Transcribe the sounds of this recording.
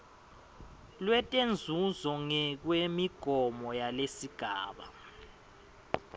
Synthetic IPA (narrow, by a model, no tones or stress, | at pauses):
lwɛtʼend͡zʱuzɔŋɛk̬wemiɡ̥ʱɔmɔjalesiɡ̥ʱa̰ːɓa̰